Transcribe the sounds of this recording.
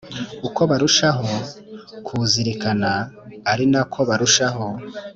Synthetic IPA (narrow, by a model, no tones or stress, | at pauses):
uko̞βaɾuʃaɦokʰuziɾikanaːɾinakʰo̞βaɾuʃaho̞